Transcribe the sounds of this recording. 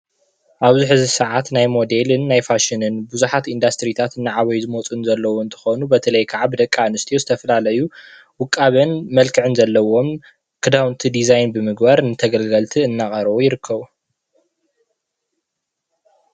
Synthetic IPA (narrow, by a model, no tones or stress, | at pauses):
ʔaβzɨħɨzisɨʕat̪najmo̞d̪elɨnːajfaʃɪnɨnbuzuħat̪ind̪ast̪ɾit̪ʰat̪ɨnːaʕaβɐjzɨmot͡sʼunzɐlːɐwoɨnt̪ʰɨ̥xonubɐt̪ʰɐlɐjkʰaʕabɨd̪ɐkʼːanɨst̪ʰijozɨt̪ʰɐfɐlalɐju | wʊkʼːaβɐnmɐlkʰɨʕɨnzɐlːɐwo̞m | kʰɨd̪awnt̪ʰid̪izajnbɨmɨɡbaɾnɨt̪ʰɐɡɐlɡɐlt̪ʰiɨnːaχʼɐɾβujɪɾɨkʰːɐβu